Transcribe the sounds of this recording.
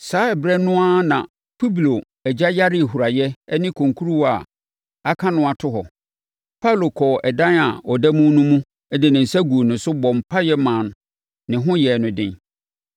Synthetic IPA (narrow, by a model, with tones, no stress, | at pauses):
saː˨˦ɛ˨bɾɛ˦nʊ̃˦a˦nã̰˨ | pʰu˦blo˨ | ɛ˨d͡ʑa˦ja˦ɾɪ˦˨hu˨ɾa˨jɛ˦nɪ̃˦kʰõ˨ŋkʰu˦ɾu˦wa˨ | a˦kʰã˦nʊ̃˦a˨tʰʊ˦ɦɔ˨ | pʰa˦˨lo˨kʰɔ˨ʔɛ˨dã˦na˨ɔ˨dɛ˦mũ˦nũ˦mũ˦ | ɛ˦dɪ˨nɪ̃˨n̩˨sa˦ɡu˨nʊ̃˨sʊ˦bɔ̃˨m̩˨pʰa˦jɛ˦mã˨nʊ̃˨ | nɪ̃˨ɦʊ̃˦jɛ˨nʊ̃˨dɪ̰̃˦n